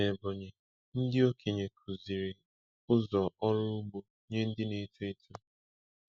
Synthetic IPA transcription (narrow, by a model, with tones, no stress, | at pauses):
e˨bo˨ɲe˨ | n̩˦dɪ˦o˦kʰe˨ɲe˨kʰu˨zi˨ɾe˨ | ʊ˦zɔ˨ʔɔ˦ɾʊ˦ʊ˦ɡ͡bo˨ | ɲe˦n̩˦dɪ˦ne˨tu˦e˦tu˦